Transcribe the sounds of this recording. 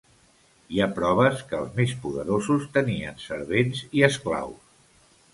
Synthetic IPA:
iapɾɔβ̞əskəːlˠzmespuðə̰ɾozust̪əniənsəɾβenziəskla̰ws

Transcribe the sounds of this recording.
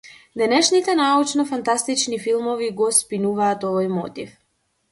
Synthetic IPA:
d̪ɛnɛʃnit̪ɛnaut͡ʃnɔfant̪ast̪it͡ʃnifilˠmɔviɡɔspinuvaːt̪ɔvɔjmɔ̰t̪if

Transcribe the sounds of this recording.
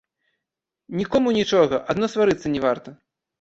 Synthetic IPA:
nʲikɔmunʲit͡ʂɔɣɐʔad̪nɔst̪vaɾɨt̪sːɐnʲɛvart̪ɐ

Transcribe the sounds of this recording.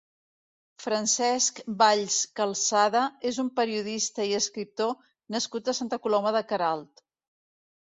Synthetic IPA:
fɾənsɛskbaʎskəlˠsaðəezumpəɾiuðist̪əiəskɾip̚t̪o | nəskut̪əsant̪əkulɔməðəkəɾalˠt̪

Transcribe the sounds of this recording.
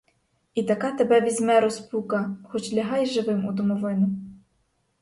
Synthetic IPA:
it̪ɐkɑt̪ebɛʋʲizʲmɛɾɔspukɐxɔt͡ʃlʲɐɦɑjʒɪʋɪmud̪ɔmɔʋɪnʊ

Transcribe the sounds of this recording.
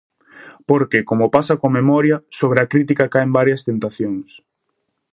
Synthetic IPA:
poɾkekomopasɐkomemɔɾjɐsoβ̞ɾeɐkɾit̪̬ikakajembaɾjɐst̪ent̪aθjoŋs

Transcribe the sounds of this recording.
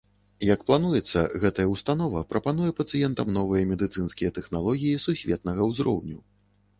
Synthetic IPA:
jɐkplˠanujɛt̪sːɐ̰ɣɛt̪ɐjɐwst̪anɔvɐpɾʔɐpanujɛpɐt̪sɨjɛnt̪ɐmnɔvɨjɐmʲɛd̪ɨt̪sɨnskʲijɛt̪ɛxnalˠɔɣʲijisusʲvʲɛt̪̚nɐɣɐwzɾɔ̰wnʲu

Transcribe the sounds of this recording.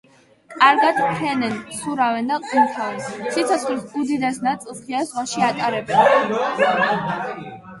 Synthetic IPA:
kʼaɾɡad̪̥pʰɛnɛnsuɾavɛnd̪aqʼint̪ʰasʰit̪sʰɔt̪χlisud̪id̪ɛsnat̪sʼilˠpʰiazwaʃiat̪ʼaɾɛbɛn

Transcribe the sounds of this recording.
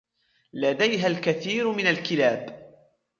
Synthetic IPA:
lad̪ajɦalkaθiːɾmɪnalkɪlaːb

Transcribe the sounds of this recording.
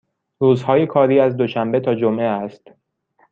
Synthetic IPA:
ɾuːzhɒːje̞kʰɒːɾiːæzd̪oʃæmbe̞t̪ʰɒːd͡ʒomʔeæst̪

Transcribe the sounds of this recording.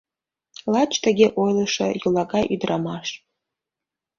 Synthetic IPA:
lat͡ʃʰʼtʰaɡʲeʔojlɨʂɐ̰jɨlaɡaʔidramaʂtʼ

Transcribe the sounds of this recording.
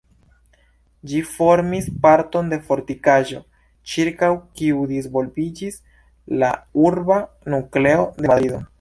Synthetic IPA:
d͡ʒifo̞ɾmispaɾto̞nde̞fo̞ɾtikaʒo̞ | t͡ʃiɾkawkiudisvo̞lbid͡ʒis | la̰uɾba | nukle̞o̞de̞madɾido̞

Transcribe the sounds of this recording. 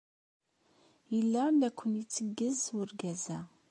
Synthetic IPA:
jəlːælækʷːənit͡sːəɡːəzʊɾɡæzæ

